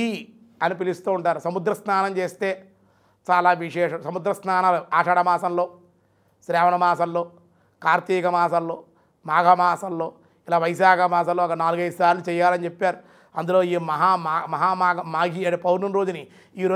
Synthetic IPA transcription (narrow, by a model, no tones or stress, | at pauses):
i | ɐnipilist̪uːuɳʈaːɾusɐmud̪ɾɐsnaːnɐmt͡ʃeːst̪e̞ː | t͡ʃaːlaːʋiʂɛːʂɐmsɐmud̪ɾɐsnaːnaːluʔaːʂɐɽɐmaːsɐnlo̞ː | sɾɛːʋɐɳɐmaːsɐnlo̞ː | kaːɾt̪iːkɐmaːsɐllo̞ː | maːɡʱɐmaːsɐllo̞ː | ilaːʋɐjs̬aːkɐmaːs̬ɐlːoːɐkɐnaːluɡɐjd̪usaːɾlut͡ʃɛjːaːlɐnit͡ʃepːaːɾu | ɐnd̪ulo̞ːiːmɐɦaːmamɐɦaːmaːɡɐmaːɡiːɐʈeːpɐwɾnunɾo̞ːd͡ʒuni | iːɾo